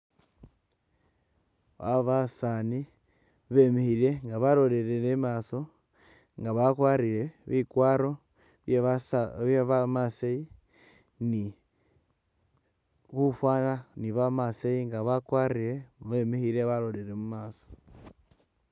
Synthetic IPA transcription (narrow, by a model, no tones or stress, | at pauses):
aβasani | βemihiɾe̞ŋɡaβaɾo̞leɾenemaːso̞ | ŋɡaβakwaɾiɾeβikwaːɾo̞ | βeβamasei | ni | kufwananiβamaseiŋɡaβakwaɾiɾe̞βemihiɾeβaɾoleɾemumaːso̥